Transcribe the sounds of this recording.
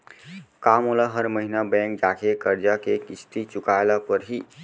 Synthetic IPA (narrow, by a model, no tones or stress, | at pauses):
kamolaɦəɾməɦinabɛ̃ŋk̚d͡ʒakʰekəɾd͡ʒakekist̪it͡ʃʊkaelapəɾɦi